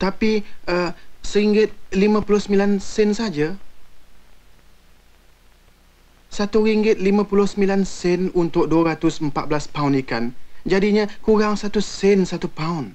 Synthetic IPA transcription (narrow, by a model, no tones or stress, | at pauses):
t̪apiəsəɾiŋɡɪt̪̚limãpulʊhsəmilansɛnsad͡ʒa | sat̪uɾiŋɡɪt̪̚limãpulʊhsəmilansɛnunt̪ʊk̚duaɾat̪ʊsəmpat̪̚blaspaunikand͡ʒadiɲə̃kuɾaŋsat̪usɛnsat̪upaun